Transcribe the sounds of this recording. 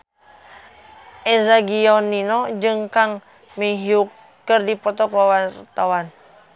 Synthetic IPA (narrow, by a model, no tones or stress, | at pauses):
ʔɛzaɡiɔnːinɔd͡ʒɨŋkaŋ | miɦiuk | kːərdipɔt̪ɔkawart̪awan